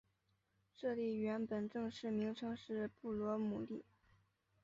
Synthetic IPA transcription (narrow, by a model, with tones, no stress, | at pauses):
ʂɤ˥˧li˥˩ɥɛ˧˥npə˨˩nʈ͡ʂɤ˥˧ŋʂɻ̩˥˩mi˧˥ŋʈ͡ʂʰɤ˧˥ŋʂɻ̩˥˩pu˥˩lwɔ˧˥mu˨˩li˥˩